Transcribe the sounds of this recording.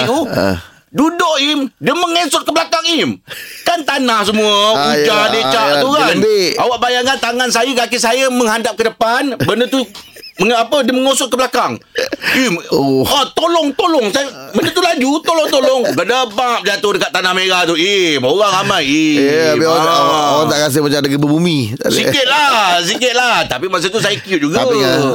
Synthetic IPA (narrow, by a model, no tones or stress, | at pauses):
u | dudoʔimdiəməŋesʊt̪̚kəblakaŋimkant̪anahsəmuəkud͡ʒadet͡ʃat̪ukanawaʔbajaŋkant̪aŋansajəɡakisajəməŋɦandap̚kədəpanbəndət̪u | məŋapədiəməŋosʊt̪̚kəblakaŋihat̪olɔŋt̪olɔŋsajbəndət̪ulad͡ʒut̪olɔŋt̪olɔŋɡədəbaŋp̚d͡ʒat̪ʊhdəkat̪ːanahmeɾat̪uimoɣaŋamajiaiaaʔoaŋt̪aʔkas̬ɪhmat͡ʃamdaɡibəbumĩt̪a̰sikɪt̪̚lasikɪt̪̚laht̪apimas̬ət̪us̬ajəkiuʔ̚d͡ʒuɡa